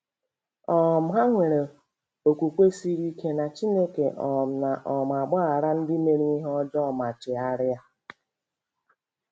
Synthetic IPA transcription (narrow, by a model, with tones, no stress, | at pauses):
ɔ˦˨m̩˨ɦa˦ŋʷe˨ɾe˨ | o˨kʷu˨kʷe˦si˦ɾi˦kʰe˦na˨t͡ʃi˦ne˦ke˨ʔɔ˨m̩˨na˨ʔɔ˨m˨a˨ɡ͡ba˦a˨ɾa˦n̩˦dɪ˦me˦ɾi˦ɦɔ˦d͡ʒɔ˦˨ma˨t͡ʃɪ˨a˦ɾɪ˦a˦